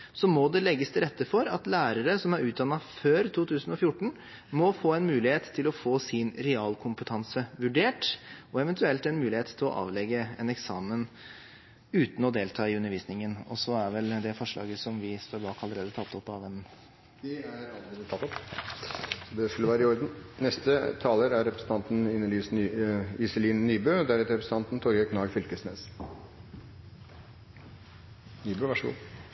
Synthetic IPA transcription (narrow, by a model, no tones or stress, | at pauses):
sɔmɔd̪ɛlɛɡːəst̪ʰɪɾɛt̪ːəfɔɾɑt̪læːɾəɾəsɔmæɾʉːt̪̚d̪ɑnːɑføːɾt̪ʰuːt̪ʉːsnɔfjʊʈːɳ̩ | mɔfoːɛnmʉːlɪheːt̪ʰːɪlɔfoːsɪnɾɛɑːlkʰʊmpət̪ʰɑnsəʋʉɖeːʈɔɛʋɛnt̪ʰʉɛlt̪ɛnmʉːlɪeːt̪t̪ʰːɪlɔ̰ʔɑ̰ːʋlɛɡəɛnɛksɑːmən | ʉːt̪n̩ɔd̪eːlt̪ʰɑːɪʉnːəɾʋiːsnɪŋənɔ̰sɔæɾʋɛld̪ɛfɔʂɭɑ̰ːɡəsɔmʋɪst̪oːɾbɑːkɑləɾeːd̪ət̪ʰɑt̪ːɔpːɑʋd̪ɛm | d̪ɛæɾɑləɾeːd̪ət̪ʰɑt̪ːɔp | sɔd̪ɛskʉlːəʋæːɾɪɔɾd̪n̩nɛst̪ət̪ʰɑːləɾæɾɛpɾəsn̩t̪ɑnt̪n̩ɪnːəlyːsnːɪsəliːnnyːbøːd̪æɾɛt̪əɾɛpɾəsəɑnt̪n̩t̪ʰɔɾɡəkʰnɑːɡfʏlkəsnḛːs | nyːbøːʋɑʂɡṵː